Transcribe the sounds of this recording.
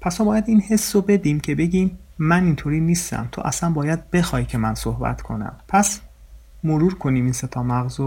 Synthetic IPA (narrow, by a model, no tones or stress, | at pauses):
pʰæst̪ɒːbɒːjæd̪inhe̞sːobe̞d̪iːmcʰe̞be̞ɟʲiːmː | ænint̪ʰoɾiːniːst̪æ̰mt̪ʰo̰ʔæ̰sænbɒːjæd̪̚be̞xɒːjcʰe̞mænsohbæ̰t̪ʰkʰo̞̰næ̰mpʰæs | moɾuːɾkʰo̞niːmiːnse̞t̪ʰɒːmæɣzo